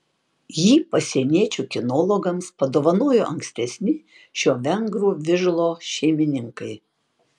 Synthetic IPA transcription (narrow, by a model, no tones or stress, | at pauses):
jiːpɐsʲiɛnʲiɛt͡ʃʲukʲɪnɔlˠɔɡɐmspɐd̪oːʋɐnoːjoʔɐŋksʲt̪ʲɛsʲnʲɪ | ʃʲoːʋʲɛŋɡɾuːʋʲɪʒlˠoːʃʲɛɪmʲɪnʲɪŋkɐɪ